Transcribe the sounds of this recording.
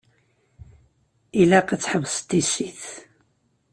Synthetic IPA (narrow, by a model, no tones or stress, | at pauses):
ilæqət͡sːħəvst̪isiθ